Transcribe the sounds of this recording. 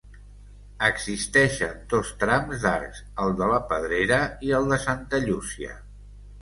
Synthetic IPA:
əɡzist̪ɛʃənd̪ost̪ɾamzd̪aɾkz̥ | əlˠd̪ələpəð̞ɾeɾəiəlˠd̪əsant̪əʎusiə̰

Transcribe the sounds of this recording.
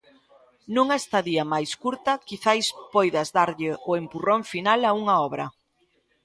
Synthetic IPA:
nũŋest̪aðiɐmajskuɾt̪ɐkiθajspɔjðɐzðaɾʎɪʔʊempurõɱfinalauŋɐɔβɾɐ̰

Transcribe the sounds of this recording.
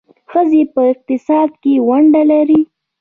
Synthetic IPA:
xəzepəɪq̚t̪ɪsɑd̪̚kewaɳɖalaɾi

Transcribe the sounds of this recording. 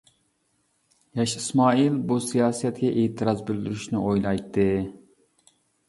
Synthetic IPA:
jɑʃismɑːilbusijɑːsɛt̪ɡʲɛʔeːt̪ʰɨɾɑzbɪld̪yɾyʃnɪʔojlˠɑjt̪ːɨ

